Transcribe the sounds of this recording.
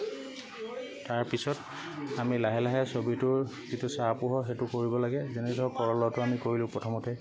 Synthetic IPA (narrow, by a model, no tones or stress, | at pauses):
taɹpisɔt | amilaɦɛlaɦɛsobitʊɹzitusapuɦɔxetʊkoɹibɔlaɡɛzenɛdɔkɔɹɔlɔtʊamikoɹilʊ̃pɹɔtʰɔmɔtɛ